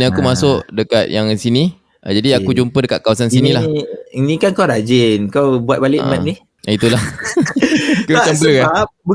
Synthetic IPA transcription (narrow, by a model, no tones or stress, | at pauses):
niakumasʊʔdəkat̪̚jaŋsini | ʔa̰d͡ʒadiakud͡ʒumpədəkat̪̚kawasansinĩlahnĩkankawɾad͡ʒɪnkawbuat̪̚balɪʔmãt̪̚nih | ʔit̪ulah | kumat͡ʃambələab